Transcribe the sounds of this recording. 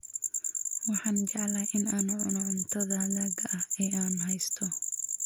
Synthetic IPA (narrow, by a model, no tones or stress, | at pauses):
wɑħɑːnd͡ʒɑʕlaʔɪnaːnʊʕʊnɔʕʊnt̪ʰɐðaːðaːɡɐɐhɛːʔaːnɦɛjst̪ʰɔ